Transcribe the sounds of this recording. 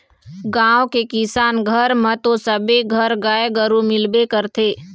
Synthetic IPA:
ɡãːokekɪsaːnɡʱəɾmət̪õsəbeɡʱəɾɡaːeɡəɾumɪlbekəɾt̪ʰeː

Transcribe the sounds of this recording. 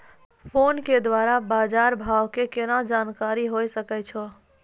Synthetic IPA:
pʰonked̪waɾabaːd͡ʒaɾbʱawkekenad͡ʒankaɾiɦojsəkɛt͡ʃʰɔ

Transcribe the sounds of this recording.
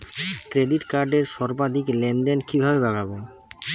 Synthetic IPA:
kɾeɖiʈkaɾɖeɾʃɔɾbad̪ʱiklenɖenkibʱabebaɡabo

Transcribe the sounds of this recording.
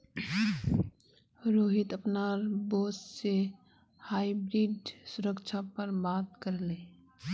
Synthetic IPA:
ɾoːɦɪt̪əpnaːɾboːsse | haːibɾiːɖsʊɾəkt͡ʃʰapəɾbaːt̪kəɾleː

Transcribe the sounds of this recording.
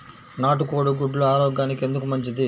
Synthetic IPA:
naːʈukoːɽuɡuɖloaːɾɔːɡjaːnike̞nd̪ukumɐɲt͡ʃid̪i

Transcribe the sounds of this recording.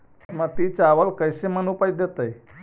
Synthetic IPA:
məɡ̚t̪it͡saʋəlkəjɕemənupajt̪̚d̪jet̪əj

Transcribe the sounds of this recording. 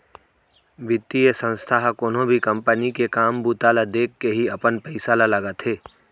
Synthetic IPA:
ʋɪt̪ːijesə̃nst̪ʰaɦkoːnõbʱikə̃mpənikekaːmbuːt̪alad̪eːkːeɦiɐpənpɛɪsalaləɡət̪ʰɦeː

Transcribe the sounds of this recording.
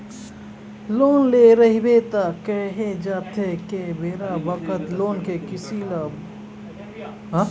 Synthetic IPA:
loːnleɾɐɦibet̪akɛɦed͡ʒaːt̪ʰekebeːɾaʋəkət̪loːnkekɪsila | ɦ

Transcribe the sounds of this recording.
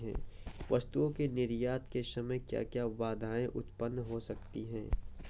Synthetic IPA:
ɦɛ̰̃ːʋɐst̪uõkenɪɾjaːt̪kesɐməjkja̰ːkjaʋaːd̪ʱaːẽʔʊt̪pənːɦosɐk̚t̪iɦɛ̃ː

